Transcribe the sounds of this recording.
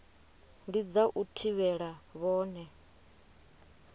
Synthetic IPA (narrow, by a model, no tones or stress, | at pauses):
ndid͡zaʔutʰiβɛɺaβɔːnɛ